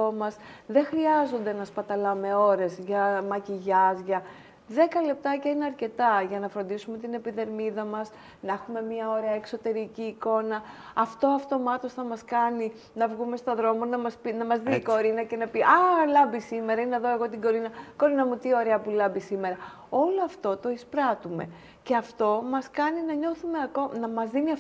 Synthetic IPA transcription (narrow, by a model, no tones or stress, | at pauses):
omɐsðe̞xɾiɐzo̞nd̪e̞nɐspɐt̪ɐlɐme̞o̞ɾe̞zʝɐmɐciʝɐzʝɐ | ðe̞kɐle̞p̚t̪ɐcɐineɐɾce̞t̪ɐʝɐnɐfɾo̞nd̪isume̞t̪ine̞piðe̞ɾmiðɐmɐs | nɐexume̞mɲɐo̞ɾe̞ɐekso̞t̪e̞ɾiciːko̞nɐɐft̪o̞ɐft̪o̞mɐt̪o̞sθɐmɐskɐni | nɐvɣume̞st̪oðɾo̞monɐmɐspinɐmɐzðiko̞ɾinɐce̞nɐpiʔɐlɐmbisime̞ɾɐinɐðo̞e̞ɣo̞t̪iɡo̞ɾinɐko̞ɾinɐmut̪io̞ɾeɐpulɐbisime̞ɾɐ | o̞lo̞ɐft̪o̞t̪o̞ispɾɐt̪ume̞̰ | ce̞ɐft̪o̞mɐskɐninɐɲo̞θume̞ɐko̞nɐmɐzðiniɐf